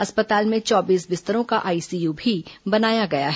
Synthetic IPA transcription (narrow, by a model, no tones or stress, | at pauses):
ɐspət̪aːlmẽt͡ʃɔːbiːsbɪst̪əɾõkaʔaːiːsiːjuːbʱibɐnaːjaɡɐjaɦɛ